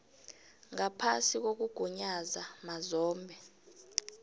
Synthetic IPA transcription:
ŋapʰa̰sik̬ok̬uɡ̥ʱuɲazamazɔːmbʱɛ

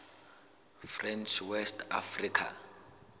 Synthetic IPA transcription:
frɛnt͡ʃʰwɛstʰa̰frikʰa̰

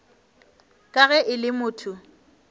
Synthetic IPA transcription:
kʼaɣɛʔɪlɪmʊːtʰʊ

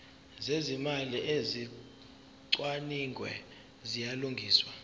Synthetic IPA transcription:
zezimaliʔezi | ǀwaniŋɡʱwɛ̰ | zijaluŋɡʱiːswa

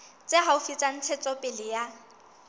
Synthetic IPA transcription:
t͡sʼeɦaufit͡sʼan̩t͡sʰɛt͡sʼɔpʼɪlɪja

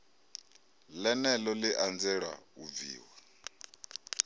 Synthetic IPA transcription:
lɛnɛlɔliʔand͡zɛɺa̰ub̪vḭːwa

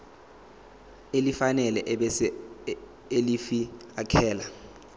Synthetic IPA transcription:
elifanɛlɛʔ | elifiakʰɛːla

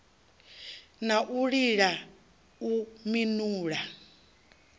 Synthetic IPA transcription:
naʔuɺiɺa | uminuːɺa

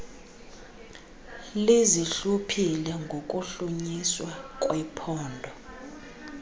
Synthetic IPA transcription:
leziɬupʰilɛŋɡʱok̬ʼuɬuɲiswakʼwɛpʰɔːndʱɔ

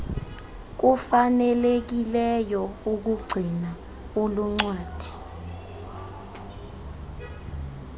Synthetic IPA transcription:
k̬ufanɛlek̬ilɛjɔuk̬uɡ͡ǀʱina | uluŋ͡ǀwaːd̥ʱi̥

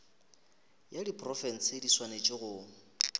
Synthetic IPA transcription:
jadipʼrɔfɛn̩sɪdiswanet͡ʃʼɪɣʊ

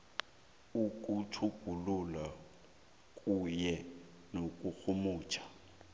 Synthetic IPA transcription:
ukʼutʰuɡ̥ʱulula | kʼujɛ | nokʼuk͡xʰumuːt͡ʃʰḁ

